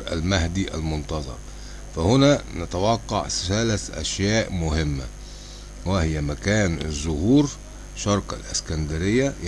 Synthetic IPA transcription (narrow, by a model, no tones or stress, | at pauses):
ɾʔæ̰lmæhd̪iʔæ̰lmʊnt̪ɑzˤɑ̰ɾˤ | fæhʊnænat̪awɑqːɑʕsælæsʔæ̰ʃjæːʔmʊhɪmːa | wæhɪjæmækæːnɪ̰zːʊhuːɾ | ʃɑɾˤka̰lʔɪskænd̪aɾɪjːæ